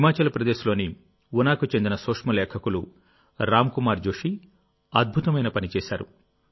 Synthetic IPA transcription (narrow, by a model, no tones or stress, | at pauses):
ɦimaːt͡ʃɐlɐpɾɐd̪eːsulo̞ːni | unaːkut͡ʃe̞nd̪inɐsoːkʂmɐlɛːkʰɐkulu | ɾaːmkumaːɾd͡ʒoːʂi | ɐd̪̚bʱut̪ɐmɐjnɐpɐnit͡ʃɛːʃaːɾṵ